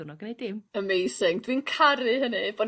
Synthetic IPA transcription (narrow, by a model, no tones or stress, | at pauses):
nɔɡənejdɪməmejsɪŋdwinkʰaɾɨhənɨb̥ɔ